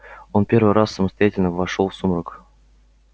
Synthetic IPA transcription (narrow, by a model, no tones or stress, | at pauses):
onpʲervɨjɾʔasːəməst̪ajatʲɪlʲnəvaʂolˠfsumrək